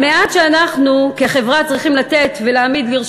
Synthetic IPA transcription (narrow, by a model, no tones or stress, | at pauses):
meat̪ʃeanaχnukeχe̞vʁat͡sʁiχimlat̪e̞t̪veleːmid̪liʁ